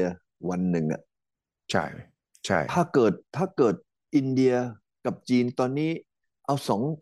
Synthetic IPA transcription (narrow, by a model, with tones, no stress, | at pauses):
ɐ | wa˧nːɯ˨˩ŋʔa̰˨˩ | t͡ɕʰa̰˥˩j | t͡ɕʰa̰˥˩jt̪ʰaː˥˩kɤː˨˩t̪̚ʰːaː˥˩kɤː˨˩t̪̚ | ʔi˧ndi˧ɐ | ka˨˩p̚t͡ɕiː˧nt̪ɔː˧nːiː˦˥˩ | ʔa˧wsɔː˩˦ŋ